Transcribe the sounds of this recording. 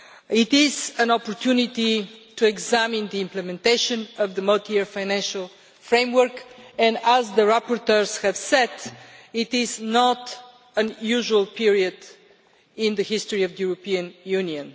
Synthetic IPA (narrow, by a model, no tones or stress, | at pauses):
ɪt̪ɪzə̃nɔpɔɹt̪ʰjunit̪itʰuɛɡzæmɪ̃nd̪əɪ̃mplɛmɛ̃nt̪eɪʃə̃nəvðəmʌlˠt̪iɛɹfaɪnæ̃nʃəlˠ | fɹẽɪ̃mwəɹkɛ̃ndəzðəɹapɔɾt̪əɹz̥hɛv̥sɛtɪt̪ɪznɔt̪ | ə̃njuʒuəlˠpʰiɹiəd̪ | ɪ̃nðəhɪstoɹiəvd̪əjuɹəpiə̃njʉniə̃n